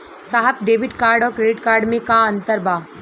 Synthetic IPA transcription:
saɦəpɖeːʋɪɖkaːɾɖɔːɾkɾeɖɪʈkaːɾɖmẽkaɐ̃nt̪əɾbaː

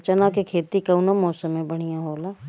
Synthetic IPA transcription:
t͡ʃənakekʰeːt̪ikɐʊnamɔːsəmẽbəɽ̤̃ijãɦoːlaː

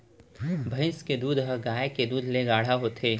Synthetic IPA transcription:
bʱɐɪ̃sked̪uːd̪ɦɐɡaːeked̪uːd̪ʱleɡaːɽ̤aɦot̪ʰeː

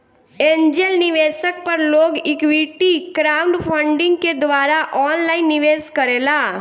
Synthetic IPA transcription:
ẽːɲd͡ʒelnɪʋesək̚pəɾloːɡɪkʋiʈikɾaːʊ̃ɳɖpʰəɳɖɪ̃ŋɡ̚ked̪ʋaːɾaʔɔːnlaɪnːɪʋeːskəɾeːla

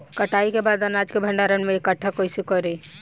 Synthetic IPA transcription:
kəʈaːikebaːd̪ɐnaːd͡ʒkebʱə̃ɳɖaːɾənmẽekəʈʰːakoɪsikɔɾiː

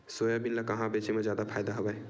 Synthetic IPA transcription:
sojabinlakəɦãbet͡ʃemed͡ʒjad̪apʰajd̪aɦobaj

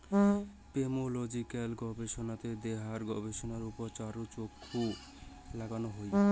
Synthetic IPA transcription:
pemolod͡ʑikalɡɔbeʃonat̪ed̪eɦaɾɡɔbeʃonaɾupoɾt͡ɕaɾot͡ɕokʰːu | laɡanoɦoj

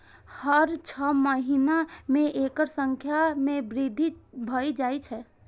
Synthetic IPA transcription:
həɾt͡ʃʰəməɦinamẽʔekəɾsəŋkʰjamẽbɾid̪ʱibʱəid͡ʒajt͡ʃʰɛ

